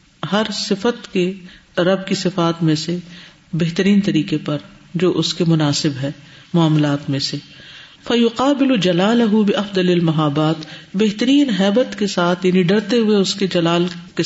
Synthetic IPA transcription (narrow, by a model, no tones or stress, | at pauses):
hɐɾsɪfət̪keɾɐbkisɪfaːt̪mẽse | beɦt̪əɾiːnt̪ɐɾiːqepɐɾ | d͡ʒoːʔʊskemʊnaːsɪbɦɛː | mʊaːmlaːt̪mẽse | fɐjʊqaːbɪlʊd͡ʒɐlaːlɐɦʊbɪʔɐfd̪ɐlɐlmɐɦaːbaːt̪beɦt̪əɾiːnɦɛːbət̪kesaːt̪ʰjaːniɖɐɽt̪eɦʊeʊsked͡ʒɐlaːlke